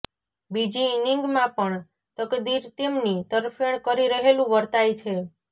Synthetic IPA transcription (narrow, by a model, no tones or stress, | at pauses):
bid͡ʒiːniŋɡmãpəɳ | t̪əkd̪iɾt̪emnit̪əɾfeɳ̃kəɾiɾəɦelũʋəɾt̪ajt͡ʃʰe